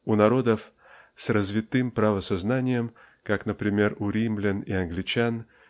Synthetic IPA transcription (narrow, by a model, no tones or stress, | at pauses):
unɐɾo̞d̪əf | srəzvʲɪt̪ɨmpɾavəsɐznanʲɪjəm | kaknəpɾʲɪmʲe̞ruɾʲimlʲɪniɐnɡlʲɪt͡ɕan